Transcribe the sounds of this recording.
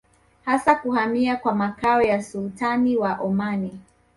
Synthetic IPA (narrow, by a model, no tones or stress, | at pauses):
hasakuhamiakwamakaɔjasultaniwaʔɔmani